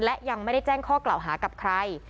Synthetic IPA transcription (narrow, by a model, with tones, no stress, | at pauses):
nlɛ˨˦˥ʔja˧ŋma˥˩jɾa˥˩jt͡ɕɛː˥˩ŋkʰɔː˥˩klaː˨˩wɦaː˩˦ka˨˩p̚kʰɾa˧j